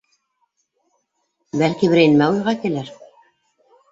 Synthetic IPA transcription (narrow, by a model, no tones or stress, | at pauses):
bælkiβɘ̆ɾæjnmæujʁɑkɘ̆lɘɾ